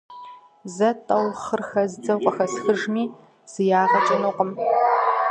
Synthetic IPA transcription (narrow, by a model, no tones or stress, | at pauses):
zɐtʼɐwχərxɐzd͡zɐwqʷʼɐxɐsxɨʒmiː | z̥ɨjaːʁɐt͡ʃʼɐnuqʼəm